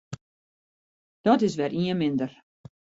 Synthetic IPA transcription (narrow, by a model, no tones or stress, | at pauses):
d̥ɔtɪs̬ʋɛrʔiənmɪndər